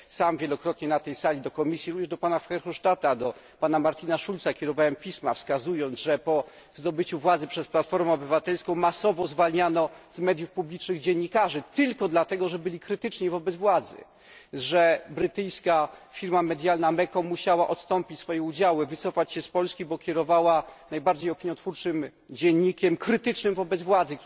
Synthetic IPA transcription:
samvʲjɛlɔkɾɔt̪ɲɛnat̪ɛjsalʲid̪ɔkɔmʲisʲjiɾuvɲɛʐd̪ɔpanafxɛɾxɔʂtat̪ad̪ɔ | panamaɾt͡ɕinaʂultsakʲɛɾɔvawɛmpʲismafskazujɔnd̪zʐɛpɔ | zd̪ɔbɘt͡ɕuvwad̪zɘpʂɛsplat̪fɔɾmɛɔbɘvat̪ɛlskɔ̃w̃masɔvɔzvalɲanɔzmɛd̪jufpublʲit͡ʂnɘɣd͡ʑɛɲːikaʐɘt̪ɘlkɔd̪lat̪ɛɡɔʐɛbɘlʲikɾɘt̪ɘt͡ʂɲivɔbɛd̪vwad̪zɘ̰ | ʐɛbɾɘt̪ɘjskafʲiɾmamɛd̪ʲjalnamɛkɔmuɕawaʔɔt̪st̪ɔmpʲit͡ɕsfɔjɛud͡ʑawɘvɘt̪sɔfat͡ɕɕɛspɔlskʲibɔkʲɛɾɔvawanajbaɾd͡ʑejɔpʲiɲjɔ̃t̪fuɾt͡ʂɘm | d͡ʑɛɲːikʲɛmkɾɘt̪ɘt͡ʂnɘmvɔbɛd̪zvwad̪zɘk

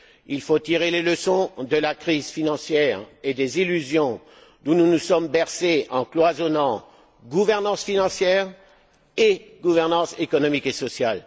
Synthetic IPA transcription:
ilfot̪iʁeleləsɔ̃d̪əlakχizfinɑ̃sjɛʁed̪ezilyzjɔ̃ | d̪ũnunusɔmbɛʁseʔɑ̃klwazɔnɑ̃ | ɡuvɛʁnɑ̃sfinɑ̃sjɛʁ | eɡuvɛʁnɑ̃sekɔnɔmikesɔsjal

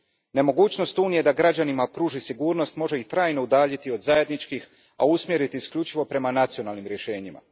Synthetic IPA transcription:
ne̞mo̞ɡuːt͡ɕno̞st̪uːnije̞d̪aɡɾad͡ʑanimapɾuːʒisiɡuːɾno̞st̪mo̞ʒe̞it̪ɾaːjnoud̪aːʎit̪iod̪zaje̞d̪nit͡ʃkix | a̰usmje̞ɾit̪iːskʎut͡ʃiʋo̞pɾe̞manat̪sio̞naːlnimɾje̞ʃe̞ːɲima̰

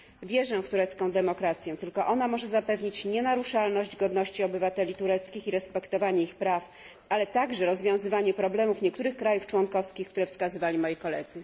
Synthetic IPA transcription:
vʲjɛʐɛft̪uɾɛt̪skɔ̃w̃d̪ɛmɔkɾat̪sʲjɛt̪ɘlkɔʔɔnamɔʐɛzapɛvɲit͡ɕɲɛnaɾuʂalnɔɕd͡ʑɡɔd̪nɔɕt͡ɕiɔbɘvat̪ɛlʲit̪uɾɛt̪skʲixiɾɛspɛkt̪ɔvaɲɛixpɾaf | ʔalɛt̪aɡʐɛɾɔzvʲjɔ̃w̃zɘvaɲɛpɾɔblɛmufɲɛk̚t̪uɾɘxkɾajuft͡ʂwɔnkɔfskʲixkt̪uɾɛfskazɘvalʲimɔjikɔlɛd̪zɘ

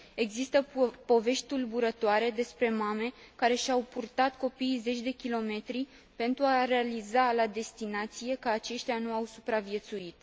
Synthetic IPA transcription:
e̞ɡzist̪əpo̞ve̞ʃt̪t̪ulbuɾət̪oaɾe̞d̪e̞spɾe̞mame̞kaɾe̞ʃawpurt̪at̪ko̞piːjze̞t͡ʃʲd̪e̞kʲilo̞me̞t̪ɾi | pe̞nt̪ɾuaɾe̞alizalad̪e̞st̪inat̪sije̞kəat͡ʃe̞ʃt̪ʲjanuawsupɾavije̞t̪suit̪̚

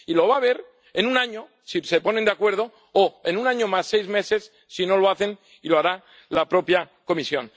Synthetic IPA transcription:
ilo̞β̞aβ̞e̞ɾ | e̞nũnaɲo̞ | sise̞po̞nend̪eakwe̞ɾð̞o̞ | oe̞nũnaɲo̞masːe̞jzme̞se̞sːino̞lo̞aθe̞n | iloaɾa | lapɾo̞pja | ko̞misjo̞n

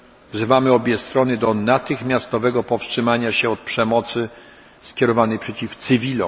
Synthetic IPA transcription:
vzɘvamɘɔbʲjɛst̪ɾɔnɘd̪ɔnat̪ɘxmʲjast̪ɔvɛɡɔpɔfstʂɘmaɲaɕɛɔt̪̚pʂɛmɔt̪sɘ | skʲɛɾɔvanɛjpʂɛt͡ɕift̪sɘvʲilɔ̰

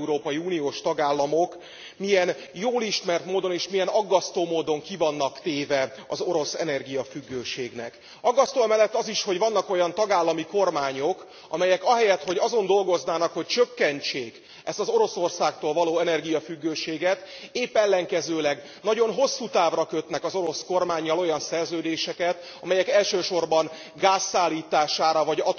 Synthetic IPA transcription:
uɾoːpɒjiuːnijoːʃt̪ɒɡaːlːɒmo̞k | mijɛn | joːliʃmɛrt̪moːd̪o̞neːʃmijɛnɒɡːɒst̪oːmoːd̪o̞ŋkivɒnːɒkt̪eːvɛ | ɒzo̞ɾo̞sɛ̰nɛrɡijɒfyɡːøːʃeːɡnɛ̰k | ɒɡːɒst̪oːmɛlːɛt̪ːɒziʃho̞ɟvɒnːɒko̞jɒnt̪ɒɡaːlːɒmiko̞rmaːɲo̞k | ɒmɛjɛkɒɦɛjɛt̪ho̞ɟɒzo̞nd̪o̞lɡo̞znaːnɒkho̞c̚t͡ʃøkːɛnt͡ʃeːk | ɛst̪ɒzo̞ɾo̞so̞rsaːkt̪oːlvɒloːɛnɛrɡijɒfyɡːøːʃeːɡɛt̪eːpːɛlːɛŋkɛzøːlɛɡ | nɒɟo̞nɦo̞sːuːt̪aːvrɒkø̞t̪nɛkɒzo̞ɾo̞sko̞rmaːɲːɒlo̞jɒnsɛrzøːd̪eːʃɛkɛt̪ | ɒmɛjɛkɛlʃøːʃo̞rbɒn | ɡaːsːaːlːiːt̪aːʃaːɾɒvɒɟɒ

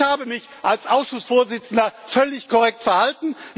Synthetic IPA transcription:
haːbəmɪç | ʔalsʔaʊsʃʊsfoːɐzɪt͡sn̩dɐfœlɪçkʰɔʁɛk̚tfɛɐhaltn̩

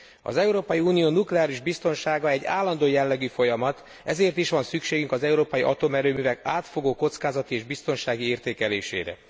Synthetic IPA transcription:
ɒ̰zɛuɾoːpɒjiuːnijoːnuklɛaːɾiʒbist̪o̞nʃaːɡɒɛɟːa̰ːlːɒnd̪oːjɛlːɛɡyfo̞jɒmɒt̪ | ɛzeːrt̪iʃʋɒnsykʃeːɡyŋkɒzɛuɾoːpɒjiʔɒt̪omɛɾøːmyːvɛkaːt̪fo̞ɡoːko̞t̪skaːzɒt̪ieːʒbist̪o̞nʃaːɡieːrt̪eːkɛleːʃḛːɾɛ̰

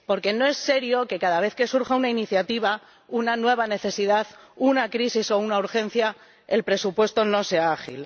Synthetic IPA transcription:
po̞ɾke̞no̞e̞sːe̞ɾjoke̞kaðaβ̞e̞θke̞suɾxaunainiθjat̪iβ̞a | unanwe̞β̞ane̞θe̞siðaθunakɾisiso̞unauɾxẽ̞n̟θja | e̞̰lpɾe̞supwe̞st̪o̞no̞se̞aaxḭl

